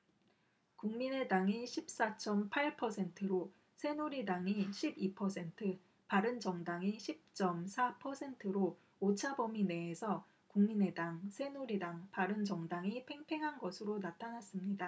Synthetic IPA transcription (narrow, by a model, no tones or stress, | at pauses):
kuŋmine̞daŋiɕʰip̚s͈at͡ɕ͈ʌmpʰaɭpʰʌsʰe̞ntʰɯɾo | sʰe̞noɾidaŋiɕʰibipʰʌsʰe̞ntʰɯ | paɾɯnd͡ʑʌŋdaŋiɕʰip̚t͡ɕ͈ʌmsʰapʰʌsʰe̞ntʰɯɾo | ot͡ɕʰabʌmine̞ːsʰʌ | kuŋmine̞daŋsʰe̞noɾidaŋpaɾɯnd͡ʑʌŋdaŋipʰe̞ŋpʰe̞ŋɦanɡʌsʰɯɾonatʰanas͈ɯmɲida